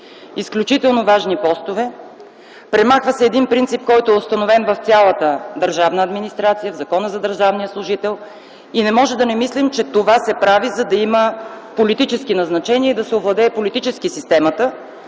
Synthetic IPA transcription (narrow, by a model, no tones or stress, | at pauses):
isklʲut͡ʃit̪ɛlˠnovaʒnipɔst̪ovɛ | pɾɛmaxvəsɛːd̪inpɾint̪sip̚kɔjt̪oʊɛʊst̪ɐnovɛnvɐft̪sʲalˠət̪əd̪əɾʒavnəːd̪minist̪ɾat̪sijəvzɐkɔnəzɐd̪əɾʒavnijəslˠʊʒit̪ɛlˠ | inɛmɔʒɛd̪ɐnɛmislimt͡ʃɛt̪ovasɛpɾavizɐd̪ɐimə | polit̪it͡ʃɛskinɐznɐt͡ʃɛniəid̪ɐsɛovlˠɐd̪ɛːpolit̪it͡ʃɛskisist̪ɛmɐt̪ə